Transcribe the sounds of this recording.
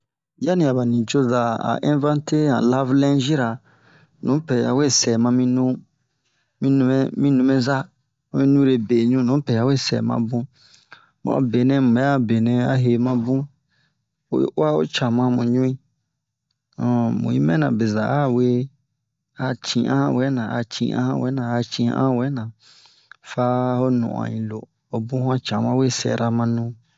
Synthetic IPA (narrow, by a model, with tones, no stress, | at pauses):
ja˦nĩ˨a˨ba˨nĩ˨t͡ʃo˦za˨a̰˨ʔɛ̃˦n˦vã˦ntʰe˦ã̰˨la˦vlɛ̃˦ʒi˦ɾa˨ | nũ˨˦pɛ˨a˨we˦˨sɛ˨mã˧mĩ˧nũ˦ | mĩ˦nũ˧˦mɛ̃˦mĩ˦nũ˧mẽ˦za˦ | ã˨mĩ˦nũ˦ɾe˨be˨ɲũ˦˨nũ˨˦pɛ˨a˨˦we˦˨sɛ̰˨mã̰˨bũ˦ | mã̰˨˦be˨nɛ̃˦mũ˨ɛ˦a˦be˨nɛ̃˨a˦ɦe˨mã˦bũ˦ | o˦a˦o̰˦t͡ʃã˨mã˦mũ˨ɲũ˦ĩ˦ | ɔ̃˨mṵ̃˨ḭ̃˦mɛ̃˦nã̰˨be˨za˨a˦˨we˦ | a˨t͡ʃĩ˨ʔã̰˦hã˦wɛ˨˦nã˨a̰˨t͡ʃḭ̃˨ʔã̰˦hã̰˦wɛ˦nã˨a˨t͡ʃĩ˨˦ã̰˦wɛ˦nã˨ | fa˦ho˦nṵ̃˨ʔã̰˨ɲĩ˨lo˨ | o˨bũ˦hã˦t͡ʃã˨mã˦we˦sɛ̰˨ɾa˧mã˧nũ˦